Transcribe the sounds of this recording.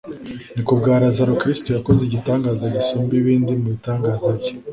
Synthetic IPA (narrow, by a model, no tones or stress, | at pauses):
nikubɡaːɾazaɾukɾistojako̞zeɟitaːŋɡaːzaɟisuːmbiβiːndimuβitaːŋɡaːzaɾɟo